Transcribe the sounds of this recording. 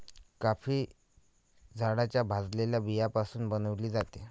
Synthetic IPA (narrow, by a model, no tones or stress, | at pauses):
kafiː | d͡zʱaɽat͡ɕjabʱad͡zleljabijapasuːnbənəʋliːd͡zat̪e